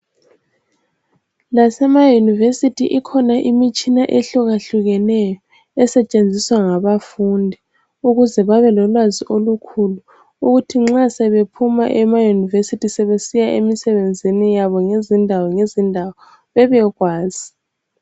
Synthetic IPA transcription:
lasɛmajunivesitʰiʔikʰɔnaʔimit͡ʃʼinaʔeɬɔɣaɬuɣɛnɛjɔ | ɛsɛt͡ʃʼend͡zʱiswaŋaβafundʱi | uɣuzɛβaβɛlɔlwaziʔolukʰulu | uɣutʰiŋ͡ǁasɛβepʰumaʔɛmajunivesitʰisɛβesijaʔemisɛβend͡zʱinijaβɔŋezindʱawɔŋezindʱawɔ | βɛβɛɣwaːz̥i

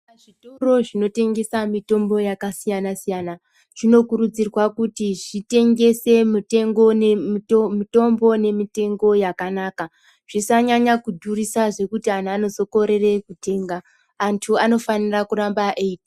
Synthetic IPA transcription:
aʐitoro̞ʐino̞te̞ŋɡe̞samito̞mbo̞jakasijanasijana | ʐ̥ino̞kuɾud͡zirwakutiʐite̞ŋɡe̞se̞mite̞ŋɡo̞nmito̞mbo̞ne̞mite̞ŋɡo̞jakanaːka | ʐ̥isaɲaɲakudʱurisaʐe̞kutianaːno̞zo̞ko̞ɾe̞re̞kute̞ːŋɡaː | ntʰuano̞fanirakurambaʔeiːta

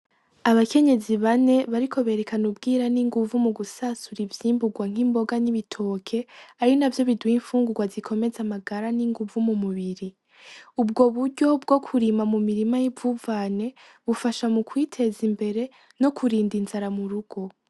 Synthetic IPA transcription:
aβake̞ɲe̞ziβane̞βaɾikʰo̞βe̞ɾe̞kanubɡiːɾaniŋɡuvumuɡusasuɾivjiːmbuɡwaŋ̥himbo̞ɡaniβitʰo̞ːkʰe̞aɾinavjo̞βidwiɱfuːŋɡuɡwazikʰo̞me̞zamaɡaɾaniŋɡuvumumuβiɾi | ub̚ɡo̞βuɾɟo̞b̚ɡo̞kʰuɾimamumiɾimajibvuːvaːne̞ | βufaʃamukwiːtʰe̞zimbe̞ɾe̞ | no̞kʰuɾiːndinzaɾamuɾuɡ̥o̞

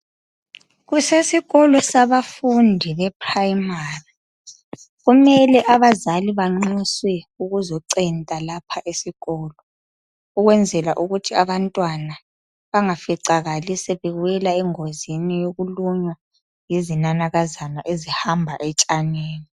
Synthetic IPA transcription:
ɣusesiɣɔlɔsaβafundʱiβɛpʰrajimaːri | ɣumɛlɛʔaβazaliβaŋ͡ǀiswɛuɣuzɔǀɛntʼalapʰaʔesiɣɔːlɔ | uɣwɛnd͡zʱɛlaʔuɣutʰiaβantʼwana | βaŋafiǀaɣalisɛβɛɣwɛlaɛŋozinijoɣuluɲwa | jizinanaɣazanaʔezihambʱaʔɛt͡ʃʼaneːni

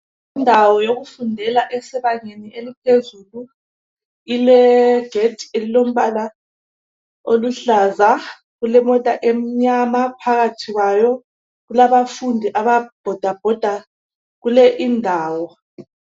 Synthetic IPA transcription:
indʱawɔjoɣufundʱɛlaʔɛsɛβaɲeniʔelipʰezulu | ilɛɡ̥ʱetʰʼi̥elilom̩βala | oluɬaza | ɣulɛmɔtʼaʔem̩ɲamapʰaɣatʰiɣwajɔ | ɣulaβafundʱiʔaβab̥ʱɔd̥ʱab̥ʱɔd̥ʱa | ɣulɛʔindʱaːwɔ

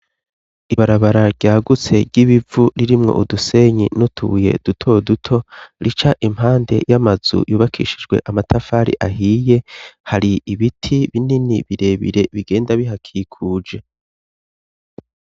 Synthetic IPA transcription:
iβaɾaβaɾaɾɟaːɡut͡se̞ɾɟiβivuɾiɾimŋo̞̰ʔuduse̞ɲḭnutʰṵje̞̰d̥utʰo̞dutʰo̞ɾit͡ʃaʔim̥ɦaːnde̞̰jamaz̥ṵjʔuːβakʰḭːʃid͡ʒɡwe̞̰ʔamatʰafaɾḭʔaɦiːje̞haɾiiβitʰiβininiβiɾe̞βḭɾe̞βiɡe̞ːndaβiɦakʰikʰuːd͡ʒe̞

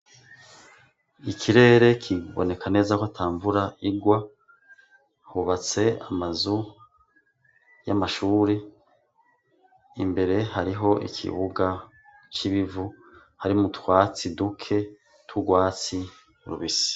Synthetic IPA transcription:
ikʰiɾe̞ːɾe̞kʰiβo̰ne̞kane̞ːzakoatʰaːɱvuɾaiɡwa | huβat͡se̞a̰mazu | ja̰maʃuːɾe | ḭmbe̞ɾe̞haɾiɦo̞ʔḭkʰḭβuɡa | t͡ʃiβivu | haɾimutwaːt͡sidukʰe̞ | tʰuɡwaːt͡si | uɾṵβisi̥

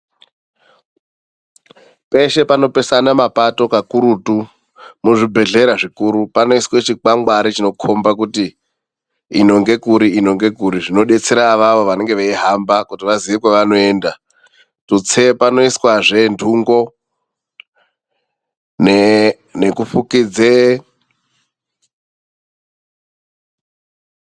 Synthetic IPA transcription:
pe̞ʃe̞pano̞pe̞sanamapato̞kakuɾutu | muoʐibʱe̞ɮe̞ɾaʐikuːɾupano̞iswet͡ʃik͡paŋɡwaɾit͡ʃino̞kʰo̞mbak̬uti | ino̞ŋɡe̞kuɾiino̞ŋɡe̞k̬uɾiʐino̞ɗe̞t͡seɾaʋaʋo̞ʋane̞ŋɡe̞ʋeiɦambakutiʋaziʋekwaʋano̞eːnda | tut͡sepano̞iswaʐe̞ndʰʱuŋɡo̞ | n | nekufukid͡ze

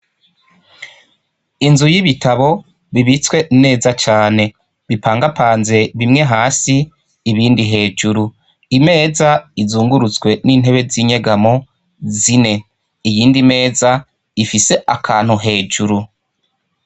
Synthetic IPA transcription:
inzujiβitʰaβo̞ | βiβit͡skwe̞ʔine̞ːzat͡ʃaːne̞ | βipʰaːŋɡapʰaːnze̞βimŋe̞ɦaːsiː | βiːndiɦe̞ːd͡ʒuɾu | ime̞ːzaizuːŋɡuɾut͡swe̞niːn̥ɦe̞βe̞ziɲe̞ɡamo̞ | zine̞ | ijiːndime̞ːza | ifise̞ʔakʰaːn̥huɦe̞ːd͡ʒuɾu

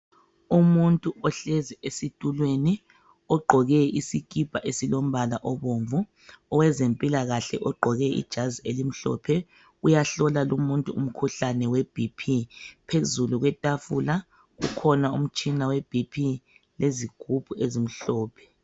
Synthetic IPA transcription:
umuntʼuʔɔɬɛziʔesitʼulweni | ɔɡ͡ǃʱɔɣɛisikʼib̥ʱaʔesilom̩βalaʔɔβoɱvu | ɔwɛzempʼilaɣaɬɛ̰ʔɔɡ͡ǃʱɔɣɛḭd̥ʒ̥ʱazielim̩ɬɔ̰pʰɛ | ujaɬɔlalumuntʼṵum̩kʰuɬanɛwɛb̥ʱipʰipʰezuluɣwɛtʼafula | ɣṵkʰɔnaum̩t͡ʃʼinaweb̥ʱipʰi | leziɡ̥ʱub̥ʱuezim̩ɬɔːpʰɛ̥

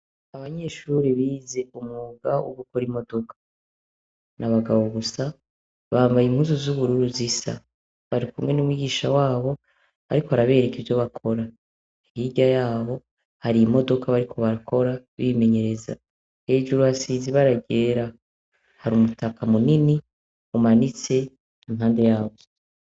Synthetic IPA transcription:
aβaɲe̞ʃuɾiβize̞umŋuɡawʔṵɡukoɾimo̞do̞kʰḁ | nʔaβaɡaβoβusa | βaːmvajim̥huzuzuβuɾuɾuzisa̰ | βaɾikumŋe̞numwiːɡiːʃawaːβo̞ | a̰ɾikoaɾaβe̞ːɾe̞kevo̞βakʰo̞ɾa | ihiɟajaːβo̞ | haɾimo̞do̞kaβaɾikʰo̞βaɾakʰo̞ɾaβime̞ɲe̞ɾe̞za̰ | he̞ːd͡ʒuɾuasiːziβaɾaɟe̞ːɾa | haɾumutakamunini | umanit͡se̞ | imɦaːnde̞jaːβo

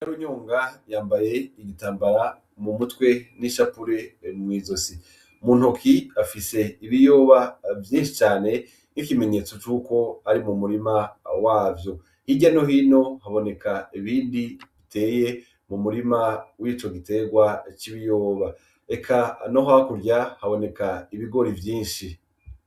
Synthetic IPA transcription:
aɾuɲoːŋɡajaːmbaje̞iɡitaːmbaɾa | mumutwe̞niʃapuɾe̞mwiːzo̞si | muːn̥hokʰiafise̞iβijo̞ːβavjiːnʃi̥t͡ʃaːne̞ | nikime̞ɲe̞t͡so̞t͡ʃuːko̞aɾimumuɾimawaːvjo̞ | hiɟano̞ɦino̞haβo̞ne̞kaiβiːndiβite̞ːje̞ | mumuɾimawiːt͡ʃo̞ɡite̞ɡwat͡ʃiβijoːβa | e̞kʰano̞ɦakuɾjahaβo̞ne̞kaiβiɡo̞ɾivjiːnʃi

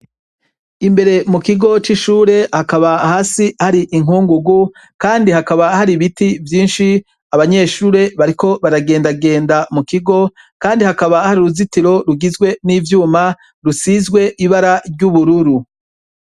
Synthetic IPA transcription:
imbe̞ɾe̞mukiɡo̞t͡ʃiʃuːɾe̞hakaβahaːsihaɾiʔiŋuːŋɡuɡu | kaːndihakaβahaɾiβitivjiːnʃi | aβaɲe̞ʃuːɾe̞βaɾiko̞βaɾaɡe̞ːndaɡe̞ːndamukiɡo̞ | kaːndihakaβahaɾiɾuzitiɾo̞ɾuɡizɡwe̞niːvjuːma | ɾusizɡwe̞ʔiβaɾaɾɟuβuɾuɾu

